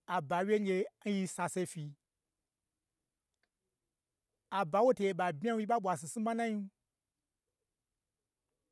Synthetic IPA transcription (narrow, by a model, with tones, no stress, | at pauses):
a˨ba˨wʲje˦ŋ˦d͡ʒe˧n̩˦ji˧sa˧se˧˦fi˧ | a˨ba˨˦wo˦te˨je˨ɓa˨bmʲ˦a˦ji˦ɓa˦ɓʷa˨s̬i˨si˦ma˦nã˦ji˧˦